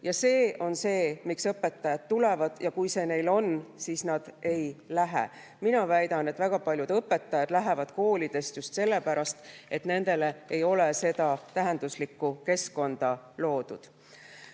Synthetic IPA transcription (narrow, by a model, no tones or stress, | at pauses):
jɑse̞ːo̞nse̞ːmiksɤpːˑe̞t̪ːɑjɑt̪ːule̞vɑd̪̥jɑkujse̞ːne̞jlo̞nsiːsnɑd̪̥ʔe̞jlæɦḛ | minɑvæjd̪ɑne̞t̪ːˑvæɡ̥ɑpɑlʲjud̪̥ɤpːˑe̞t̪ːˑɑjɑd̪̥læɦe̞vɑd̪ko̞ːlid̪̥e̞st̪just̪se̞lːe̞pæɾɑst̪e̞t̪ne̞nd̪̥e̞le̞ejo̞lese̞d̪̥ɑt̪æɦe̞nd̪̥uslikːuke̞sko̞nd̪̥ɑlo̞ːd̪̥ud̪̥